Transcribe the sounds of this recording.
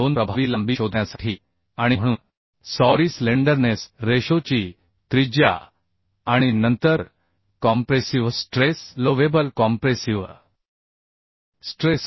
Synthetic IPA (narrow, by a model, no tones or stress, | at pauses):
onpɾəbʱaʋiːləmbiːɕod̪njasaʈʰiː | aɽ̃im̤əɽ̃uːn | sɔɾiːsleɳɖəɾnesɾeɕot͡ɕiː | t̪ɾid͡ʑja̰ | aɽ̃inənt̪əɾ | kɔmpɾesiʋsʈɾesloʋebəlkɔmpɾesiʋ | sʈɾes